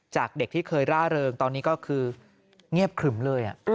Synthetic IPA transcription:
t͡ɕaː˨˩k̚de˨˩k̚t̪ʰiː˥˩kʰɤː˧jɾaː˥˩ɾɤː˧ŋt̪ɔː˧nːiː˦˥kɔː˥˩kʰɯː˧ | ŋi˥˩əp̚kʰɯ˨˩˦mlɤː˧jʔa˨˩ʔ

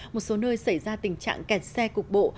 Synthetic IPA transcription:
mmo˨˩t̚so˨˦nəː˧jsa˧˩jzaː˧t̪ï˨˩ŋ̟t͡ɕa̰ː˧˨ŋkɛ˨˩t̚sɛ˧kʊ˨˩ək̚ɓo̰˧˨

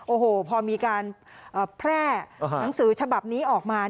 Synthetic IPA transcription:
ʔoː˧˩hoː˨˩pʰɔː˧miː˧kaː˧nʔəː˨˩pʰɾɛː˥˩na˩˦ŋsɯː˨˩˦t͡ɕʰa˧ba˨˩p̚niː˦˥ʔɔː˨˩k̚maː˧

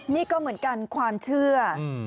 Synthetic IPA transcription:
niː˥˩kɔː˥˩mɯ˩˦ənka˧nkʰwaː˧mt͡ɕʰɯ˥˩ɐ

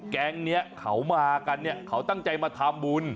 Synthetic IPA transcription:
kɛː˧ŋni˦˥ɐkʰa˩˦wmaː˧ka˧nːi˥˩ɐkʰa˨˩˦wt̪a˥˩ŋt͡ɕa˧jmaː˧t̪ʰa˧mbu˧n

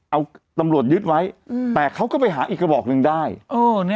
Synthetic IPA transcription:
ʔa˧wt̪a˧mɾu˨˩ət̪̚jɯ˦˥t̪̚wa˦˥jt̪ɛː˨˩kʰa˦˥wkɔː˥˩p̬a˧jɦaː˩˦ʔiː˨˩k̚ɾa˧bɔː˨˩k̚nɯ˧ŋdaː˥˩jʔɤː˧˩n˥

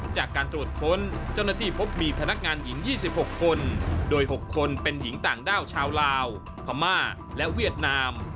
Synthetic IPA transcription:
t͡ɕaː˨˩kːaː˧nt̪ɾu˨˩ət̪̚kʰo˦˥nt͡ɕa˥˩wna˥˩t̪ʰiː˥˩pʰo˦˥p̚miː˧pʰa˧na˦˥k̚ŋaː˧nji˩˦ŋjiː˥˩si˨˩p̚ho˨˩kʰːo˧ndoː˧jɦo˨˩kʰːo˧npe˧nji˩˦ŋt̪aː˨˩ŋdaː˥˩wt͡ɕʰaː˧wlaː˧w | pʰa˧maː˥˩ | lɛ˦˥wi˥˩ət̪̚naː˧m

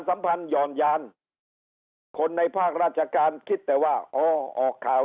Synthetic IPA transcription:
nsa˨˦mpʰa˧njɔː˨˩njaː˧n | kʰo˧nːa˧jpʰaː˥˩k̚ɾaː˥˩t̪̚t͡ɕʰa˧kaː˧nkʰi˦˥˩t̪ːɛː˨˩waː˥˩ʔɔː˧˩ʔɔː˨˩kʰːaː˨˩

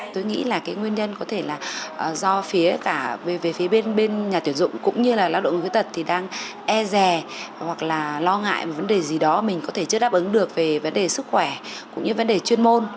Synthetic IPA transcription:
t̪o˧jŋḭ˧˥laː˨˩kaː˨˦jŋwi˧ənɲə˧nkɔ˨˦t̪ʰe˧˩laː˨˩ʔzɔ˧fi˨˦əkaː˧˩ve˨˩ve˨˩fi˨˦əɓe˧nɓe˧nɲaː˨˩t̪wi˧˩ənzʊ̰˧˨ŋ͡mkʊ̰˧˥ŋ͡mɲɨ˧laː˨˩laː˧˥wɗo̰˧˨˩fi˨˦t̪ʰt̚t̪ʰi˨˩ɗaː˧ŋ | ʔɛ˧zɛ˨˩hwa˨˩k̚laː˨˩lɔ˧ŋa̰ː˧˨jma˨˩və˨˦nɗe˨˩zi˨˩ɗɔ˨˦mï˨˩ŋ̟kɔ˨˦t̪ʰe˧˩t͡ɕɨ˦˥ɗaː˦˥p̚ʔɨ˨˦ŋɗɨ˨˩ək̚ve˨˩və˨˦nɗe˨˩sɨ˦˥kxwɛ˧˩kʊ̰˧˥ŋ͡mɲɨ˧˩və˨˦nɗe˨˩t͡ɕwi˧ənmo˧n

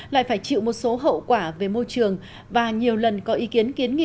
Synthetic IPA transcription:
la̰ː˧˨jfaː˧˩jt͡ɕḭ˧˨wmo˨˩t̚so˨˦ɦə̰˧˨wkwaː˧˩ve˨˩mo˧jt͡ɕɨ˨˩əŋ | vaː˨˩ɲi˨˩əwlə˨˩nkɔ˨˦ʔi˨˦ki˨˦ənki˨˦ənŋḭ˧˨

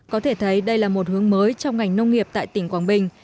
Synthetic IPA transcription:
kɔ˨˦t̪ʰe˧˩t̪ʰə˨˦jɗə˧jlaː˨˩mo˨˩t̚hɨ˨˦əŋməː˨˦jt͡ɕɔ˧wŋ͡mŋa˨˩jŋ̟nə˧wŋ͡mŋi˨˩əp̚t̪a̰ː˧˨jt̪ï˧˩ŋ̟kwaː˨˩nɓï˩ŋ̟

